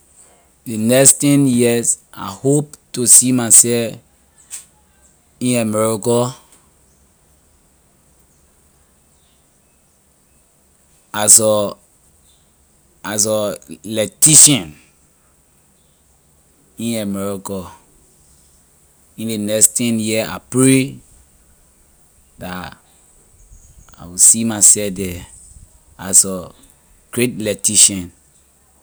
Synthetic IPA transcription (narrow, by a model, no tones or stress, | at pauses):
denɛstɛ̃njiɛsa̰hoptusimasɛf | ĩnamɛɹikɔ | asɔ | asɔlɛtiʃɔ̃n | ĩnamɛɹɔkɔ | ĩndenɛkstʰɛ̃njia̰pɹe | da | a̰wisimasɛfdɛ | asɔ | ɡ̥ɹet̚lɛtiʃɔ̃n